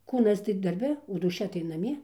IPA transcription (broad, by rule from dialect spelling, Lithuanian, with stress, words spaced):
ˈkuːnɐs tɐɪ dɐrʲˈbʲɛ oː duːˈʃʲɛ tɐɪ nɐˈmʲiɛ